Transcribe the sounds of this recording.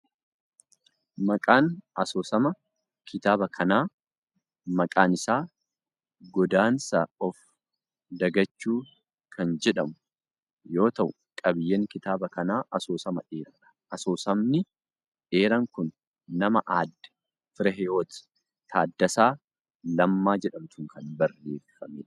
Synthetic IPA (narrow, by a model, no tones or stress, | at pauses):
mɐkʼaːnɐsoːsɐmɐ | kʰɪt̪aːbɐkʰɐnaː | mɐkʼaːnɪsaː | ɡɔd̪aːnsɐɔf | d̪ɐɡɐt͡ʃːuː | kʰɐnd͡ʒɛᶑɐmʊ̥ | jo̞ːt̪ɐʔʊ | kʼɐbɪjːeːŋkɪt̪aːbɐkɐnaːʔɐsoːsɐmɐᶑeːɾɐᶑɐ̥ʔɐsoːsɐmnɪ | ᶑeːɾɐŋkʊnː | ɐmɐʔaːd̪ːɛ̥ | fɪɾɐɦɛjo̞ːt̪ɪ̥ | t̪ʰaːd̪ːɐsaː | lɐmːaːd͡ʒɛᶑɐmt̪ʊŋkʰɐnbɐrːeːfɐmḛːᶑɐ